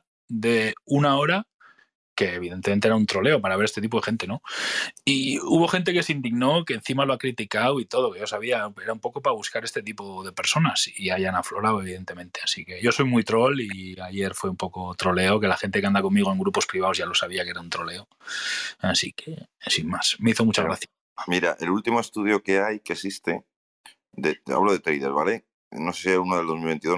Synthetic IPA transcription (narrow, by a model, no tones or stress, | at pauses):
d̪e̞unao̞ɾa | ke̞ːβ̞iðe̞nt̪ement̪eeɾaunt̪ɾo̞le̞o̞paɾaβee̞st̪eip̬o̞e̞xe̞nt̪e̞no̞ | iuβo̞xe̞nt̪e̞ke̞sind̪iɣno̞ke̞ːnθimaloakɾit̪ikawit̪o̞ð̞o̞keʝo̞saβiae̞ɾaumpo̞ko̞paβuskaɾest̪e̞t̪ipo̞ðe̞pe̞ɾso̞nasiaʝanaflo̞ɾawe̞β̞iðe̞nt̪e̞mẽ̞nt̪e̞asike̞ʝo̞so̞jmujt̪ɾo̞liaje̞ɾfweumpo̞kot̪ɾo̞le̞oke̞laxe̞nt̪ekeand̪ako̞mmiɣoe̞ŋɡɾupo̞spɾiβ̞aozʝalo̞saβiake̞ɾaunt̪ɾo̞le̞o | asḭkʰesinmasme̞iθo̞mut͡ʃaɣɾaθja | miɾa̰ʔe̞lult̪imoest̪uð̞jo̞keajkesist̪e | d̪ea̰βloðe̞t̪ɾejðeɾβale | nosesieunoðeld̪ðomilβe̞nt̪iðo